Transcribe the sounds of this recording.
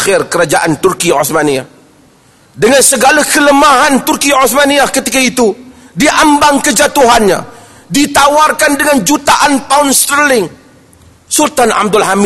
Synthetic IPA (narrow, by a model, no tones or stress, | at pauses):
xɪrkəɾad͡ʒaʔant̪ʊrkio̰θmania | dəŋansəɡalakələmaɦant̪ʊrkioθmaniakət̪ikait̪u | diʔambaŋkəd͡ʒat̪uɦanɲa̰ | dit̪awarkandəŋand͡ʒut̪aʔant̪aʊnst̪əɾlɪŋ | sult̪anʔa̰m̚dʊlɦam